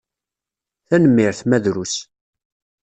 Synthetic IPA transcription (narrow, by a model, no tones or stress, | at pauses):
θænəmːɪɾθmæðɾus